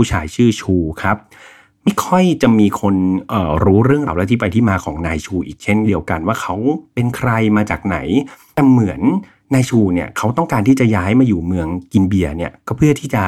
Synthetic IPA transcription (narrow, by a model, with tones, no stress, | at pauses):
uː˦˥˩t͡ɕʰa̰ː˩˦jt͡ɕʰɯː˥˩t͡ɕʰuː˧kʰa˦˥p̚ | ma˥˩jkʰɔ˥˩jt͡ɕa˨˩miː˧kʰo˧nʔəː˨˩ɾuː˦˥ɾɯ˥˩əŋaː˧wlɛ˦˥t̪ʰiː˥˩pa˧jt̪ʰiː˥˩maː˧kʰɔː˩˦ŋnaː˧jt͡ɕʰuː˧ʔḭː˨˩k̚t͡ɕʰe˥˩ndi˧əwka˧nwaː˥˩kʰa˦˥wpe˧nkʰɾa˧jmaː˧t͡ɕaː˨˩k̚na̰˩˦jt̪ɛː˨˩mɯ˩˦ənː | aː˧jt͡ɕʰuː˧ni˥˩ɐkʰa˦˥wt̪ɔ˥˩ŋkaː˧nt̪iː˥˩t͡ɕa˨˩jaː˦˥jmaː˧juː˨˩mɯ˧əŋki˧nbi˨˩əni˥˩ɐkɔ˥˩pʰɯ˥˩ət̪ʰiː˥˩t͡ɕa˨˩